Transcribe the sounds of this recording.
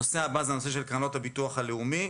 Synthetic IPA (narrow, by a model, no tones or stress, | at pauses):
oseabazenoseʃelkʁanothabituaχaleumi